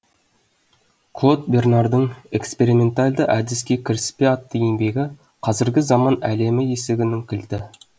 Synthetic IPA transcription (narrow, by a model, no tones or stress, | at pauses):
kʰlˠo̞t̪̚bʲe̞rnɑrd̪əɴe̞kspe̞ɾimʲe̞nt̪ɑlʲd̪əʔæd̪ɪskʲe̞kʲʰɪɾɪspʲeɑt̪ːəjembe̞ɡʲɪ | qʰɑzɪɾɡʲɪzɑmɑnæle̞mɪjeseɡʲɪnɪŋkʲʰɪlt̪ɪ